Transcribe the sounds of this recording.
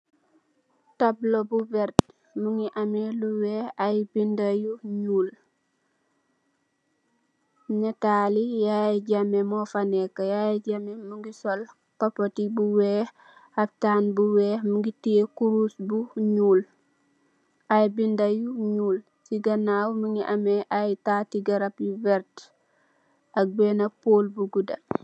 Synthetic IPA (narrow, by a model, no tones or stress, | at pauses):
tablobubɛɾt | muŋɡiʔameluwɛːajbindajuɲuːl | ɲɛtaːlijajɟamemɔfanɛkːajajɛɟamemuŋɡisɔl | kɔpːɔtibuwɛːh | ɐp̚taːnbuwɛːhmuŋɡitikuɾusbuɲuːl | ʔajbindajuɲuːl | siɡɐnawmuŋɡiʔɐmɛʔajtaːtiɡɐɾɐpjuvɛɾt | ɐk̚bɛːnɐpolbuɡudɐ